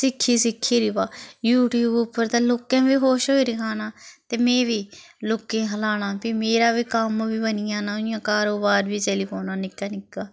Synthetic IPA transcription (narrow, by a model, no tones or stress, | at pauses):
sɪkʰːiːsɪkʰːiːɾiːbaːjuːʈjuːbʊpːəɾt̪aːloːkẽːʋiːɦoːʃɦoːiɾɪkʰaːnaːt̪eːmẽːʋiː | loːkẽːɦəlaːɽ̃aːpimeːɾaːʋiːkəmʋiːbənijãːnaːɪjãːkaːɾoːbaːɾʋiːt͡ʃeːliːpʰoːnaːnɪkːaːnɪkːaː